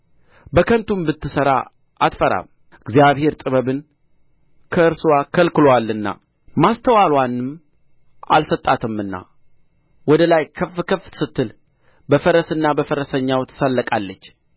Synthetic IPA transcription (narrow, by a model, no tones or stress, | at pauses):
bəkʰənt̪ʰumbɨt̪ːɨsəɾa̰ | ʔat̪fəɾa̰m | ɨɡzijaβhe̞ɾt̪ʼɨβəβɨn | kʰəɨɾsɨwakʰəlkɨlowalːɨnːa̰ | mast̪ʰəwalwanːɨm | ʔa̰lsət̪ʼːat̪ʰɨmːɨnːa̰ | wɔd̪əlajkʰəfkʰəfsɨt̪ːɨl | bəfəɾəsɨnːabəfəɾəsəɲːawt̪ʰɨ̥səlːəkʼalːət͡ʃː